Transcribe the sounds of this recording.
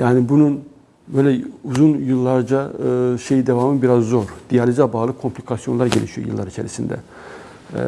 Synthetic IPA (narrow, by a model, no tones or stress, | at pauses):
jaːnibunun | bø̞jlʲɛuzunjɯlˠːaɾd͡ʒaɯʃe̞jid̪e̞vamɯnbiɾazːoɾd̪̥ijalʲid͡ʒabaːlˠɯkʰo̞mpʰlʲikʰasijo̞nlˠaɾɟelʲiʃijojɯlˠːaɾit͡ʃʰe̞ɾisind̪ɛ̰